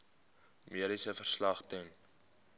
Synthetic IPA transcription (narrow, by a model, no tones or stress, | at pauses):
miəɾisəfərslɐχtɛn